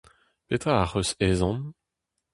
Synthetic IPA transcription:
pet̪χaaʁøseːzɑ̃n

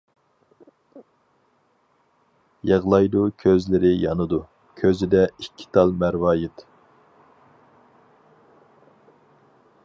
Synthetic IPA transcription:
jɑʁlˠɑjd̪ukʲʰøzlɪɾɪjɑnɨd̪u | kʲʰøzɪd̪ɛikʲʰːi̥t̪ʰɑlˠmæɾwɑːjɪt̪

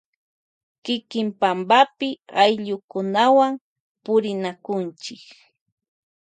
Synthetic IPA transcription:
kɪkɪmpambapɪajʎʊkʊnawam | pʊɾɪnakʊnt͡ʃɪk

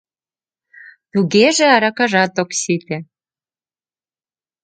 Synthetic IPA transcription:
t̪uɣeʒĕɑɾɑkɑʒɑt̪oksit̪ĕ

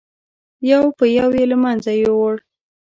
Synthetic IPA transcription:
jawpəjawjeləmanzajewoɽ

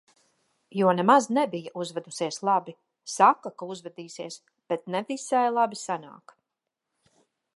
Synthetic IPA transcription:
juɔnɛmaznɛbijaʔuzvɛd̪usiɛslˠabi | sakːakauzvɛd̪iːsiɛs | b̥ɛt̪̚nɛvisajlˠabisana̰ːk

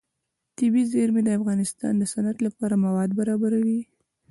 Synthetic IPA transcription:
t̪ɪbizeɾmed̪əafɣɑnɪst̪ɑ̰nd̪əsanat̪lapɑɾamawɑd̪baɾɑbaɾawi

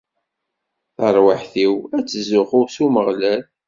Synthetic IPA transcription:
θəɾˤwəħθiwæt͡sːzʊχʊsuməʁlæl

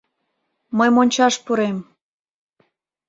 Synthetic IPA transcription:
məjmonʲt͡ɕɑʃpuɾem

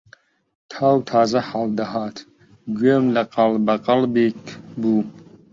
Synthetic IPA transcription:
t̪ʰaːwt̪ʰaːzɐħald̪ɐɦɑːt̪ʰ | ɡɥeːmlɐqɑlbɐqɑlbikbu

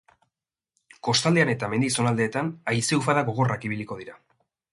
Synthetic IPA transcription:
ko̞st̪ald̪e̞ane̞t̪ame̞nd̪iso̞nald̪e̞ːt̪anajse̞ufaðaɣo̞ɣ̞o̞rakiβ̞iliko̞ð̞iɾa

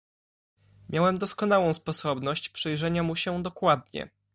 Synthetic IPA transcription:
mʲjawɛmd̪ɔskɔn̪awɔ̃w̃spɔsɔbnɔɕt͡ɕpʂɛjʐɛɲamuɕɛd̪ɔkwad̪̚ɲɛ̰

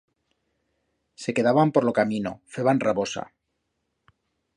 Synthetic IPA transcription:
se̞ke̞ðaβampo̞ɾlo̞kamĩno̰feβanraβo̞sa̰

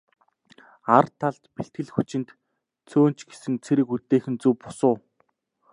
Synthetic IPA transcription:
art̪ʰːaɮt̪peɬt̪̚ɡɘ̆ɮxut͡ɕɪ̆nt̪ | t͡sʰoːnt͡ɕɡesɘ̆ŋt͡sʰeɾɘ̆kut̪ːeːxɘ̆nt͡suwpʊ̥sʊː

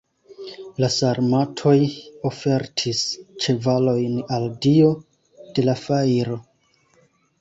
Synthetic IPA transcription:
lasaɾmatʰo̞jo̞fe̞ɾtʰist͡ʃe̞valo̞jnaldio̞ | d̥e̞lafajɾo̞

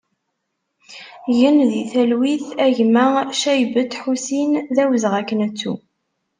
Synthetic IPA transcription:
jənðiθælwiθæʝmæʃæjbət̪ħusinðæwəzʁækːənæt͡sːṵ

